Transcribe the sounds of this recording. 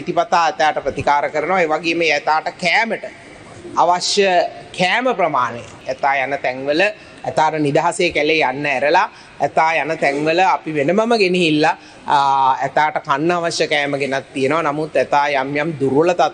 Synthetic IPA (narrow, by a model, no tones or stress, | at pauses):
it̪ipat̪aːɛt̪aːʈəpɾət̪ikaːɾəkəɾənəʋaeːʋaɡeːməɛt̪aːʈəkæːməʈə | aʋaʃjəkʰæːməpɾəmaːnej | æt̪aːjanət̪ɛŋʋələ | æt̪aːʈənid̪aɦaseːkælejanːəæɾəla | ɛt̪aːjanət̪ɛŋʋələapiʋenəməməɡeniɦilːa | æt̪aːʈəkanːəaʋasjəkɛːməɡenat̪ːijənəʋanamut̪ːæt̪aːjamjamd̪uɾʋələt̪at̪